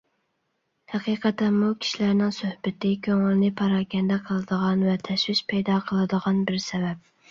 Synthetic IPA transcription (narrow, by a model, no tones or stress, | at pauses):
hæqʰiːqʰɑt̪ɛmːukʲʰi̥ʃilæɾnɪŋsøhbɪt̪ɪkʲʰøŋɪlnɪpʰɑɾɑːkʲɛnd̪ɛqʰəlˠɨd̪əʁɑnvɛt̪ʰɛʃwɪʃpʰɛjd̪ɑqʰəlˠɨd̪əʁɑnbɪɾsɛvɛp̚